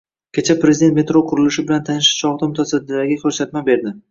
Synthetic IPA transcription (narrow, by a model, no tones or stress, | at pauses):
kʲʰet͡ʃʰapɾezɪd̪e̞nt̪me̞t̪ɾoqʰʊɾɪlɪʃɪbɪlant̪ʰanɪʃɪ̥t͡ʃʰɒʁd̪amʊt̪ʰasad̪ɪd̪aɾɡʲakʲʰɵɾsat̪mabe̞ɾd̪ɪ